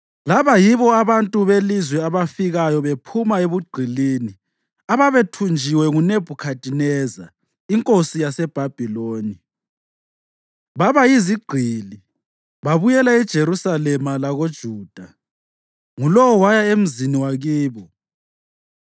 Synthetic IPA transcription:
laβajiβɔaβantʼuβelizwɛaβafiɣajɔβepʰumaeβuɡ͡ǀʱilini | aβaβetʰund͡ʒʱiwɛŋuneb̥ʱukʰadʱʼinɛza̰ | iŋkʼosijasɛb̥ʱab̥ʱiloːni | βaβajiziɡ͡ǀʱili | βaβujɛlaɛd̥ʒ̥ʱeɾusalɛmalaɣod̥ʒ̥ʱuːd̥ʱa | ŋulɔwɔwajaem̩ziniwaɣiːβɔ

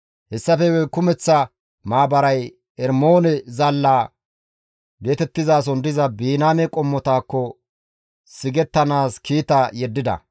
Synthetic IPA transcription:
hɛsːɐfɛwɛkʊmɛt͡sːɐ | maːbɐɾɐj | ɛɾmo̞ːnɛzɐlːaː | ɡeːt̪ɛt̪ːɪzaːs̬ɔnd̪ɪzɐbiːnaːmɛkʼɔmːɔt̪aːkːɔ | sɪɡɛt̪ːɐnaːskiːt̪ajɛd̪ːɪd̪ɐ̰

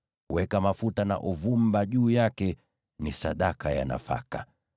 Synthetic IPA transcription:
wɛkamafutana̰ʔuvumbaʄuːjakɛ | nisaɗakaja̰na̰fa̰ka

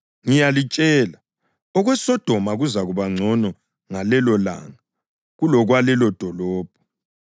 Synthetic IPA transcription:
ŋijalit͡ʃʼɛːla | ɔɣwɛsɔd̥ʱɔmaɣuzaɣuβaŋ͡ǀʱɔnɔ | ŋalɛlɔla̰ŋa | ɣulɔɣwalɛlɔd̥ʱɔlɔːb̥ʱɔ̥

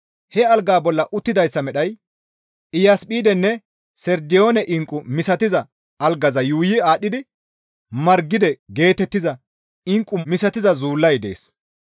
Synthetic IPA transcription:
hɛɐlɡaːbɔlːɐʔʊt̪ːɪd̪ɐjsːɐmɛɗɐj | ɪjaːspʼiːd̪ɛnːɛ | sɛɾd̪ɪjo̞ːnɛʔɪŋkʼʊmɪsɐt̪ɪzɐ | ɐlɡɐzɐjuːjɪaːɗːɪd̪ɪ | mɐɾɡːɪd̪ɛɡe̞ːt̪ɛt̪ːɪzɐ | ɪŋkʼːʊmɪsɐt̪ɪzɐzuːlːɐjd̪e̞̰ːs

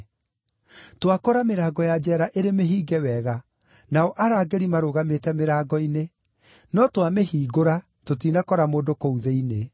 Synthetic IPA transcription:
twakoɾameɾaːɡɔjad͡ʒɛːɾaʔeɾemeɦiːɡɛwɛɣa | naɔʔaɾaːɡeɾimaɾoɣametɛmeɾaːɡɔine | nɔtwameɦiːɡoɾa | tot̬iːnakɔɾamoːndokouðeine

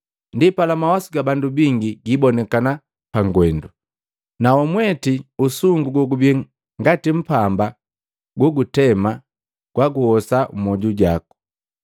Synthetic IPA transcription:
ndipalamawasiɡabandubiŋɡiɡibɔnɛkana | paŋɡwɛndu | naɔmwɛtiusuŋɡuɡɔɡubɛ | ŋɡatim̩pamba | ɡɔɡutɛma | ɡ̥waɡuhɔsamɔɟuɟaku̥

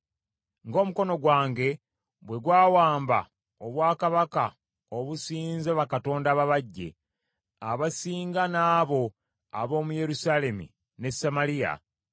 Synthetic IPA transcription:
ŋɡo̞ːmuko̞no̞ɡwaːŋɡe̞ | bwe̞ɡwaːwaːmba̰ | oβwaːkaβaka | oβusiːnzeβakato̞ːndaːβaβaɟːe̞̰ | aβasiːŋɡanaːβo̞ | a̰βo̞ːmuje̞ɾusaːle̞mḭ | ne̞samalija̰

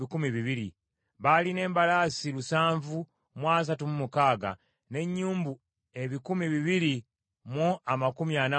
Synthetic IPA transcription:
ikumiβiβiɾḭ | βaline̞ːmbalaːsilusaːɱvu | mwaːs̬atumumukaːɡa̰ | ne̞ɲːuːmbu | e̞βikumiβiβiɾi | muamakumiana

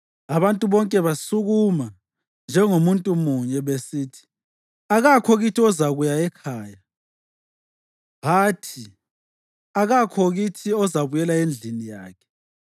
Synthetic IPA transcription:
aβantʼuβɔŋkʼɛβasuɣuma | nd͡ʒʱɛŋomuntʼumuɲɛβesiːtʰi̥ | aɣakʰɔɣitʰiɔzaɣujaɛkʰaːja | ɦaːtʰi | aɣakʰɔɣitʰiɔzaβujɛlaend͡ɮʱinija̰ːkʰɛ̥

